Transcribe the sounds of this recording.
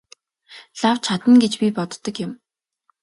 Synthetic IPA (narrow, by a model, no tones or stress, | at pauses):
ɮaw̥t͡ɕʰat̪ə̆nɡet͡ɕpʲipɔt̪ːɞ̆kjɪ̆m